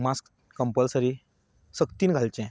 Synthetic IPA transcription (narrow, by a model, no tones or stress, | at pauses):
maskː | əmpəlsəɾi | səkt̪iːnɡʱalt͡ɕɛ̃